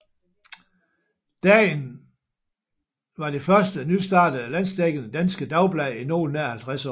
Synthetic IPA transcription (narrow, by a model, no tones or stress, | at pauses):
d̥ɛ̰ːn | ʋɑ̈d̥e̝fɶɐsd̥ənysd̥ɑ̰̈ːd̥̩ælæn̰sd̥eɡ̥ənəd̥ænsɡ̥əd̥ɑ̈ʊb̥lɛːino̝̰ːlneɐhælt͡sʰʁasɒ̰